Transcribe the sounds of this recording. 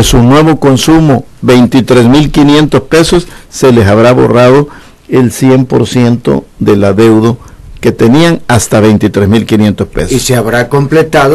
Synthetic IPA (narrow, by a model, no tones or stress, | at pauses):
sunwe̞βo̞ko̞nsumo | be̞jnt̪it̪ɾesmilkinje̞nt̪ospe̞sosːe̞le̞saβɾaβo̞̰raðo̞ | elsje̞mpo̞̰ɾsje̞nt̪o̞̰ðe̞laðe̞wðo | ke̞t̪eniaŋast̪aβe̞jnt̪it̪ɾesmilkinje̞nt̪o̞spḛsoseaβɾakomplet̪að